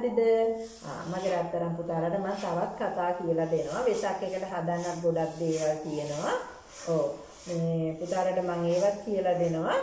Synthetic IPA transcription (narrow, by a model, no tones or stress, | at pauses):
d̪id̪ə̰ | maɡəɾat̪ːəɾamput̪aːɾaʈəmaŋt̪aʋat̪kat̪aːkijəlad̪enəʋaʋesakːekəʈəɦad̪anːat̪̚ɡoɖat̪̚d̪eːʋak̪ijənəʋa | oː | meːput̪aːɾaʈəmaŋeːʋat̪̚kijəlad̪enəʋa